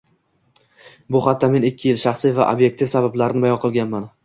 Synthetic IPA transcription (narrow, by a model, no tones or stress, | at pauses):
bʊχat̪ʰːame̞nɪkʲʰːɪjɪlʃɑχsiva̰ʔo̰bje̞k̚t̪ʰɪfsabablaɾɪnɪbajɒnqʰɨlˠɡʲanman